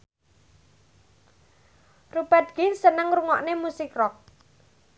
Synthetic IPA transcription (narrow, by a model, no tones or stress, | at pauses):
rub̥at̪̚ɡ̥insənəŋɾuŋɔʔnemusɪkrɔk̚